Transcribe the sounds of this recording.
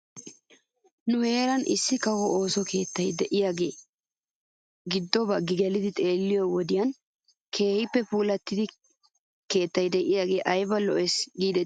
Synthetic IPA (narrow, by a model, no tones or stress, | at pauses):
nʊheːɾɐnʔɪ̰sːɪkɐwɔʔoːsɔkʰeːt̪ːɐjd̪ɛʔɪjaːɡe̞ː | ɡɪd̪ːɔbɐɡɪɡɛlɪd̪ɪt̪ʼe̞ːlːɪjɔwɔd̪ɪjɐn | kʰe̞ːhɪpːɛpuːlɐt̪ːɪd̪ɪ | ke̞ːt̪ːɐjd̪ɛʔɪjaːɡe̞ːʔɐjbɐlɔ̰ʔɛsɡiːd̪ɛ